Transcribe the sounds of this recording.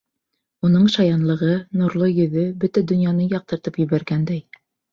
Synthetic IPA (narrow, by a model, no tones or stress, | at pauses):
unɤɴʃɑjɑnlˠɤ̆ʁɤnuɾlˠɤjɵ̆ðɵbɵt̪æd̪ɵ̆njɑnɤjɑq̚t̪ɤ̆ɾt̪ɤpjɵ̆βæɾɡænd̪æj